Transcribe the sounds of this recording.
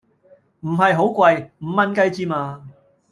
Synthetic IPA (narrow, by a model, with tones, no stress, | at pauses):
m̩˨˩ɦɐ˨jɦo˨˥wkʷwɐ˧jm̩˨˩mːɐ˧nkɐ˧jt͡siː˧maː˧